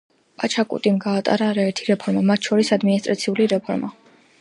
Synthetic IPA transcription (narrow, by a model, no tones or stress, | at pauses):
pʼat͡ʃʰakʼṵt̪ʼimɡaːt̪ʼa̰ɾaːɾaɛɾt̪ʰiɾɛpʰɔɾmamat̪ʰʃɔɾisad̪minist̪ʼɾat̪sʰiuliɾɛpʰɔɾma